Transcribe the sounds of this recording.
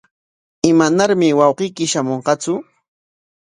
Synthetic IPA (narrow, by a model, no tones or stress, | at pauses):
ɪmanaɾmɪwɑwqijkɪʃamoɴqɑt͡sʊ